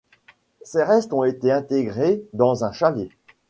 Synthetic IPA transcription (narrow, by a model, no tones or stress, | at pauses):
seʁɛst̪ɔ̃et̪eɛ̃t̪eɡʁed̪ɑ̃zɛ̃ʃalje